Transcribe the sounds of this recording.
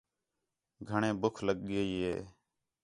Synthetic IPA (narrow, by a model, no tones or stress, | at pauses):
ɡʱəɳẽːbʊkʰləɠɠeːiːɦḛː